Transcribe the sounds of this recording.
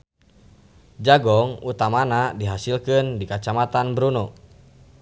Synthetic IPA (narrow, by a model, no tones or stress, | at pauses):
d͡ʒaɡɔŋut̪amanadiɦasilkɨndikat͡ʃamat̪anbəɾunɔ